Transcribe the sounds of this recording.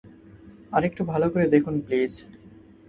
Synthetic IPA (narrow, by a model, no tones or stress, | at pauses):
aɾek̚ʈubʱalokoɾed̪ekʰunpliz